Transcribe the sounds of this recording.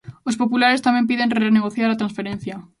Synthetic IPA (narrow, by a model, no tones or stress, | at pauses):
ospopulaɾest̪amẽmp̬iðẽnreneɣ̞oθjaɾat̪ɾãnsfeɾẽn̟θja